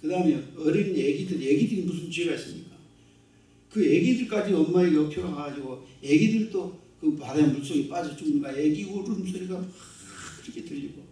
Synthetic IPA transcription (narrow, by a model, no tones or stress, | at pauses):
kɯdaɯmeʌɾiɡinjeɡidɯɾeɡidɯɡimusʰɯnt͡ɕɥieɡais͈ɯmɲik͈a | kɯjeɡidɯɭk͈ad͡ʑiʌmmailopʰoɾaɡad͡ʑiɡojeɡidɯɾit͈o | kɯpadanmuns͈oɡip͈ad͡ʑʌt͡ɕ͈umnk͈ajeɡiɡoɾoɯmsʰoɾiɡapa | ɾiketɯʎːiɡo